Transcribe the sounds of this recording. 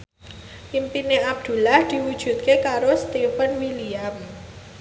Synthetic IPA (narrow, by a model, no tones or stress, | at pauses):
ʔimpineʔab̚d̪̥ṳlahd̪̥i̤wud̥ʒ̥ṳt̪̚kekaɾosə̥t̪iupənwiliam